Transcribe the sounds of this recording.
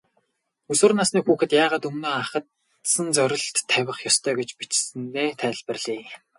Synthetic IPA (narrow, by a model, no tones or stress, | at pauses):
ɵsɘ̆rnasniːxuːxɘ̆t̪jaːʁaːt̪ɵmnoːaχə̆t̪ | sə̆nt͡sœɾʲɪ̆ɬt̪ʰːæwʲɪ̆χjɔst̪ʰœːɡet͡ɕpit͡ɕsnneːt̪ʰæːɮpɘ̆rɮiː